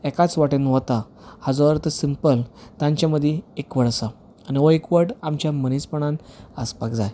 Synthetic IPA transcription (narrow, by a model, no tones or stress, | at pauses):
ɛkat͡sʋaʈenɦɔt̪a | had͡zɔɾt̪əsimpəlt̪ãɲt͡ɕjaməd̪ʱːjeekʋəɽsaː | niʋoekʋəʈamt͡ɕjamənispəɳ̃ãnəspakd͡zaj